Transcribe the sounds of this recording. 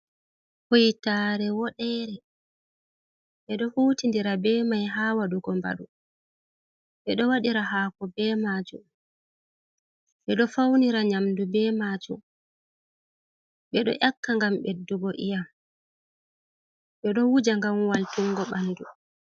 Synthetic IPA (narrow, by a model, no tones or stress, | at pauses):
hojtaːɾɛwɔɗɛɾɛ | ɓɛɗɔhuːtindiɾabɛːmajɦaːwaɗuɡɔmba̰ɗu | ɓɛɗɔwaɗiɾaɦaːkɔbɛmad͡ʒu | ɓɛɗɔfawniɾaɲamdubɛːmad͡ʒṵ | ɓɛɗɔ̰ʔakːaŋɡambɛdːuɡɔʔija | ɓɛɗɔwud͡ʒaŋɡamwaltuŋːɡɔɓanːdu